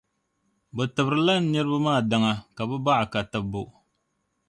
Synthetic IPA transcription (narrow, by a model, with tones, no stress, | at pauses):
bɛ˨tɨ˨bɾɨ˨la˦n̩˦nɨ˦ɾɨ˦bɨ˦maː˦˨da˦ŋa˦ka˨bɛ˦ba˦ʔa˨ka˨tɨ˦bːo˨